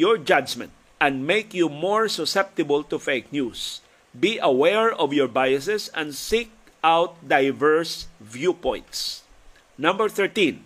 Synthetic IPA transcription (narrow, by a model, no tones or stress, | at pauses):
jɔɹd͡ʒad͡ʒmɛ̰̃nt̪̚ | ʔɛ̃nd̪̚mejkjumɔɹsʊsɛp̚t̪ɪbəlt̪ʊfeɪk̚njus | biʔɐwɛɹɔvjɔɹbajəsɛsɛ̃nd̪sik̚ | ʔawt̪̚d̪ajvɛɹsvjupɔ̃j̃nt̪s | nʌ̃mbəɹθɛɹt̪ĩn